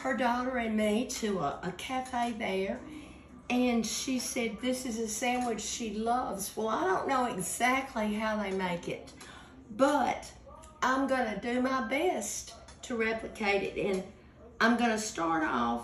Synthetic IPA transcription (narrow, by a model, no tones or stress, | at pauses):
hə˞dɔɾə˞ɨ̃nmiɾɨəʔəkʰæfeɪðə˞ | ɨ̃nʃisɛd̪̚ðɪsɨzɨsæ̃nwɨt͡ʃʃilʌvz̥wɛlˠaɪɾõʊ̃nːoʊɨɡz̥æk̚tʰˡliɦaʊðeɪmeɪkɪ̰t̚ | b̥ʌɾ | ʔãɪ̃mɡʌnɨdɨmaɪbɛst | tʰɨɹɛplɨkʰeɪɾɨ̰ɾɨ̃n | ãɪ̃mɡʌnɨstɑɹɾɔf